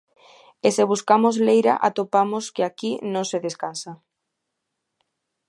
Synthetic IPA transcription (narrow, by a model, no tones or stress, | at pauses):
eseβ̞uskamozlejɾa̰ʔa̰t̪opamoskeakinõŋseðeskansa